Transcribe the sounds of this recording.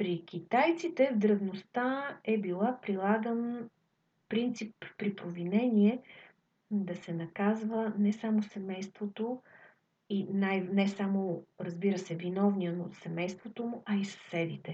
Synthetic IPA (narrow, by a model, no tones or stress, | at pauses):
pɾik̟ʲit̪ajt̪sit̪ɛvd̪ɾɐvnost̪aɛbilˠapɾilˠaɡən | pɾint̪sipːɾipɾovinɛniɛ | d̪ɐsɛnɐkazvənɛsamosɛmɛjst̪vot̪o | inajnɛsamoɾəzbiɾəsɛvinɔvniənosɛmɛjst̪vot̪omʊʔɐisɐ̥sɛd̪it̪ɛ